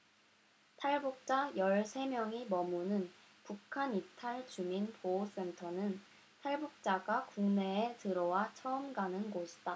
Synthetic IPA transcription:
tʰaɭbuk̚t͡ɕ͈ajʌɭsʰe̞mjʌŋimʌmunɯn | pukʰanitʰaɭt͡ɕuminpoos͈e̞ntʰʌnɯn | tʰaɭbuk̚t͡ɕ͈aɡakuŋne̞ːetɯɾʌwat͡ɕʰʌɯmɡanɯnɡoɕʰi̥d̥a

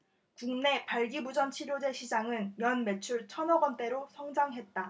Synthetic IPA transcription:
kuŋne̞paɭɡibud͡ʑʌnt͡ɕʰiɾjod͡ʑe̞ɕʰid͡ʑaŋɯnmjʌnme̞t͡ɕʰuɭt͡ɕʰʌnʌɡʌnt͈e̞ɾosʰʌŋd͡ʑaŋɦe̞t̚t͈a

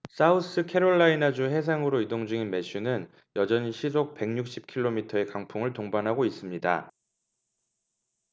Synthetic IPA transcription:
s͈aus͈ɯkʰe̞ɾoɭːainad͡ʑuɦe̞sʰaŋɯɾoidoŋd͡ʑuŋinme̞ɕ͈unɯn | jʌd͡ʑʌɲiɕʰisʰok̚pe̞ŋɲuk̚ɕ͈ip̚kʰiɭːomitʰʌe̞kaŋpʰuŋɯɭtoŋbanɦaɡois͈ɯmɲida̰

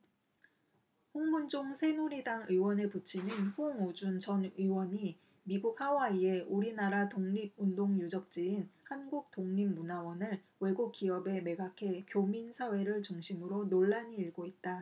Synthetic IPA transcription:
ɸoŋmund͡ʑoŋsʰe̞nuɾidaŋɯwʌneput͡ɕʰinɯnɸoŋud͡ʑunt͡ɕʌnɯwʌɲi | miɡuk̚hawaie̞ʔuɾinaɾatoŋɲib̚undoŋjud͡ʑʌk̚t͡ɕ͈iːnhanɡuk̚t͈oŋɲimːunawʌnɯɭ | we̞ɡuk̚k͈iʌbe̞me̞ɡakʰe̞kjominsʰawe̞ɾɯɭt͡ɕuŋɕʰimɯɾonoɭːaɲiːɭɡoit̚t͈a

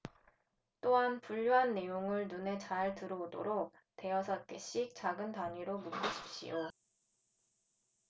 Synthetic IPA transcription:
t͈oɦanpuʎːoɦanːe̞joŋɯɭnune̞t͡ɕaɭtɯɾoodo̰ɾok̚ | te̞ʌsʰʌt̚k͈e̞ɕ͈ik̚t͡ɕaɡɯntaɲiɾomuk͈uɕʰi̥p̚ɕ͈ḭjo

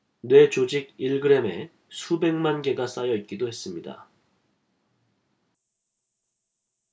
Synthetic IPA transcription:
nwe̞t͡ɕod͡ʑiɡ̚iɭɡɯɾe̞me̞ | sʰube̞ŋmanɡe̞ɡas͈ajʌit̚k͈idohe̞s͈ɯmɲida̰

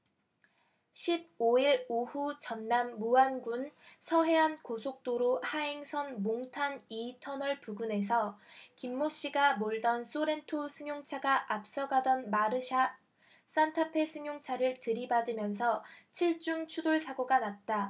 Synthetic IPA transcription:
ɕʰib̚oiɾohut͡ɕʌnːamːuanɡunsʰʌɦe̞ankosʰok̚t͈oɾohaeŋsʰʌnmoŋtʰanitʰʌnʌɭpuɡune̞s̬ʰʌkimːoɕ͈iɡamoɭdʌns͈oɾe̞ntʰosʰɯŋjoŋt͡ɕʰaɡaʔap̚s͈ʌɡadʌnmaɾɯɕʰa | s͈antʰapʰe̞sʰɯŋjoŋt͡ɕʰaɾɯɭtɯɾibadɯmjʌns̬ʰʌt͡ɕʰiɭt͡ɕ͈uŋt͡ɕʰudoɭsʰaɡoɡanat̚t͈a

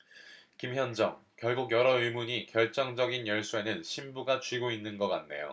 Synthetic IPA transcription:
kimçjʌnd͡ʑʌŋkjʌɭɡuɡjʌɾʌɯɭmuɲikjʌɭt͡ɕ͈ʌŋd͡ʑʌɡinjʌɭs͈ue̞nɯnɕʰimbuɡat͡ɕiɡoinːɯnɡʌk͈anne̞̰jo̰

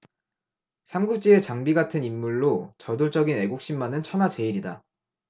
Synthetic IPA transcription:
sʰaŋɡut͡ɕ͈ie̞t͡ɕaŋbiɡatʰɯnimːuɭːot͡ɕʌdoɭt͡ɕ͈ʌɡine̞ɡok̚ɕ͈imːanɯnt͡ɕʰʌnat͡ɕe̞iɾida

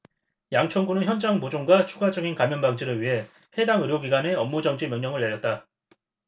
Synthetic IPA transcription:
jaŋt͡ɕʰʌŋɡunɯnçjʌnd͡ʑaŋbod͡ʑoŋɡwat͡ɕʰuɡad͡ʑʌɡinkamjʌnbaŋd͡ʑiɾɯɭɥiɦe̞ | he̞daŋɯɾjoɡiɡwane̞ʌmːud͡ʑʌŋd͡ʑimjʌŋɲʌŋɯɭːe̞ɾjʌt̚t͈a

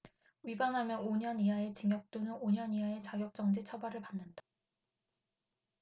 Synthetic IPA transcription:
ɥibanɦamjʌnoɲʌniɦae̞t͡ɕɯŋjʌk̚t͈onɯnoɲʌniɦae̞t͡ɕaɡjʌk̚t͡ɕ͈ʌŋd͡ʑet͡ɕʰʌbaɾɯɭpanːɯnda

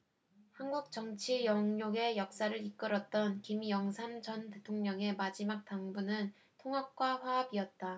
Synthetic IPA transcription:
hanɡuk̚t͡ɕ͈ʌŋt͡ɕʰijʌŋɲoɡe̞jʌk̚s͈aɾɯɾik͈ɯɾʌt̚t͈ʌnkimjʌŋsʰand͡ʑʌnte̞tʰoŋɲʌŋe̞mad͡ʑimak̚t͈aŋbunɯn | tʰoŋɦap̚k͈waɸwaʌbiʌt̚t͈a

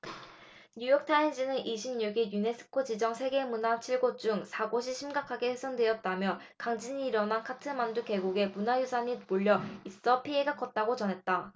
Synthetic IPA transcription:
ɲujʌk̚tʰainɕ͈ʰinɯnʔiɕʰimɲuɡijune̞s͈ʰɯ̥kʰod͡ʑid͡ʑʌŋsʰe̞ɡe̞munat͡ɕʰiɭɡot͡ɕ͈uŋsʰaɡoɕ̬ʰiɕʰimɡakʰaɡe̞ɸesʰʌndwe̞ʌt̚t͈amjʌkaŋd͡ʑiɲiːɾʌnɦankʰatʰɯmanduke̞ɡuɡe̞munajusʰaɲimoʎːʌis͈ʌpʰie̞ɡak͈ʰʌt̚t͈aɡot͡ɕʌnɦe̞t̚t͈a

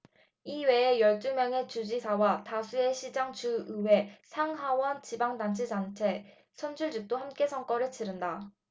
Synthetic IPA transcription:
iwe̞ejʌɭt͈umjʌŋe̞t͡ɕud͡ʑisʰawatasʰue̞ɕʰid͡ʑaŋt͡ɕuɯwe̞sʰaŋɦawʌnt͡ɕibaŋdant͡ɕʰid͡ʑaŋt͡ɕʰe̞ | sʰʌnd͡ʑʰuɭd͡ʑik̚t͈ohamk͈e̞sʰʌŋk͈ʌɾɯɭt͡ɕiɾɯnda

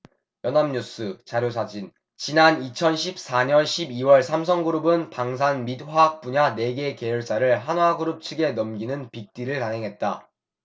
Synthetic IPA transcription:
jʌnamɲus͈ɯt͡ɕaɾjos̬ʰad͡ʑin | t͡ɕinanit͡ɕʰʌnɕʰip̚s͈aɲʌnɕʰibiwʌɭsʰams̬ʰʌŋɡuɾɯbɯnpaŋs̬ʰanmit̚ɸak̚p͈uɲane̞ɡe̞ke̞juɭs͈aɾɯɭɦanwaɡɯɾɯp̚t͡ɕʰɯɡe̞nʌmɡinɯnpik̚t͈iɾɯɭkaŋɦe̞ŋɦe̞t̚t͈a̰

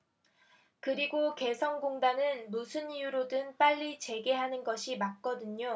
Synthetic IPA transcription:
kɯɾiɡoke̞sʰʌŋɡoŋdanɯnmusʰɯnijuɾodɯnp͈aʎːit͡ɕe̞ɡe̞ɦanɯnɡʌɕʰimak̚k͈ʌdɯɲo

